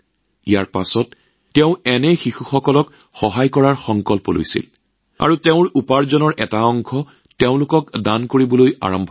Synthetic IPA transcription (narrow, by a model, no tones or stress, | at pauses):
ijaɹpasɔtː | eʊ̃ɛnɛxixuxɔkɔlɔk | xɔɦajkɔɹaɹxɔŋkɔlpɔlo̰jsḭl | a̰ɹuteʊ̃ɹupaɹzɔnɔɹɛtaɔŋkʰɔ | teʊ̃lʊkɔkdankoɹibɔloja̰ɹɔmbʱ